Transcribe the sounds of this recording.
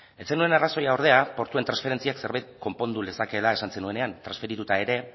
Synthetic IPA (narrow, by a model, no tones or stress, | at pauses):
e̞t͡se̞nue̞naraso̞jaoɾð̞e̞apo̞ɾt̪uet̪ɾansfe̞ɾe̞nt͡siakse̞ɾβajt̪ko̞mpo̞nd̪ule̞sake̞lae̞sanse̞nue̞ne̞ant̪ɾansfe̞ɾit̪ut̪ae̞ɾe̞